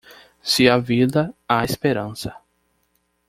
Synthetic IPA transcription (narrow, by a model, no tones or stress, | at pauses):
siɐvid̪ɐaespeɾɐ̃sɐ